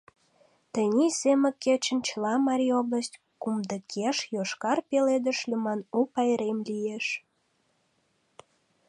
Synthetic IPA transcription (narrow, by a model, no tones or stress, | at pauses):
t̪ənʲisemə̆ket͡ɕənt͡ɕəlɑmɑɾʲiobləstʲ | kumd̪əkʰeʃjoʃkɑrpeled̪əʃlʲymɑnupɑjɾemlʲijeʃ